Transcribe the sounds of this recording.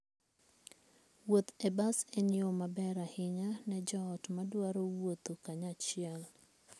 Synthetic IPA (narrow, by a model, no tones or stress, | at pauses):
wot̪ebasenjomabɛɾahɪɲanɛd͡ʒɔːtmadwaɾowot̪okaɲat͡ʃɪɛl